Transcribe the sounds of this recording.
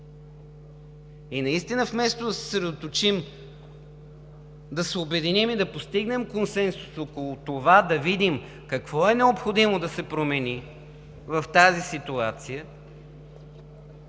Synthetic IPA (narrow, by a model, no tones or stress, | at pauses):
inɐist̪inəfmɛst̪od̪ɐsɛ̥sɾɛd̪ot̪ot͡ʃim | d̪ɐsɛobɛd̪inimid̪ɐpost̪iɡnɛmkonsɛnsu̥sokolˠʊt̪ovad̪ɐvid̪im | kɐkvɔɛnɛopxod̪imod̪ɐsɛpɾomɛni | vɐft̪azisit̪uat̪sijə